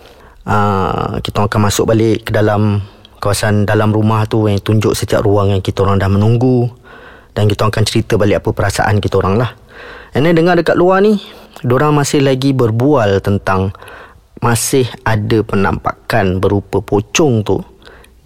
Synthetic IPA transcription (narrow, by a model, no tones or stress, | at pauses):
ʔə̰kit̪aŋakanmasʊk̚balɪʔkədalamkawasandalamrumaht̪ujaŋt̪uɲd͡ʒʊʔsət̪iaʔruaŋjaŋkit̪əoɾaŋdahmənuŋɡu | d̥ankit̪aŋakant͡ʃəɾit̪əbalɪʔapəpəɾasa̰ʔa̰nkit̪əoɾaŋlah | anadəŋadəkat̪̚luanidoɾaŋmasɪhlaɡibərbualt̪ənt̪aŋ | masɪhadəpəna̰mpa̰kanbəɾupəpot͡ʃɔŋt̪u